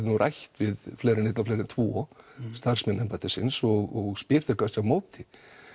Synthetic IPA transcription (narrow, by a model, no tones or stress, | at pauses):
nurʔa̰jht̪vɪðfleːɾɪnejt̪laflɛːɾɪnt̪ʰvɔːst̪ar̥smɛnɛmpat̪ɪsɪ̰nsɔɣɔɣspɪɾ̥θɛkast̪awmoːwt̪ɪ